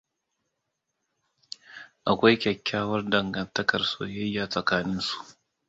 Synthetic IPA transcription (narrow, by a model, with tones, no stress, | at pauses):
ʔa˨kʷa˦jkʲɐ˨kʲːaː˦wɐ˦rdɐ˨ŋɡɐ˨ntɐ˦kɐ˨rso̰ː˨jɐ˦jːaː˨sʼɐ˨kaː˦nɪ˦nsu̥˦ʔ